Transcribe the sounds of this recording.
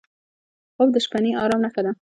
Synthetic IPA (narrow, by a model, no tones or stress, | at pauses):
xobd̪əʃpaneʔɑɾɑmnaxad̪a